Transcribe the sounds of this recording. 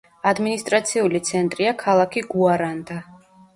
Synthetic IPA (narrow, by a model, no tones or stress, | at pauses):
ad̪minist̪ʼɾat̪sʰiulit̪sʰɛnt̪ʼɾiakʰalˠakʰiɡuaɾand̪a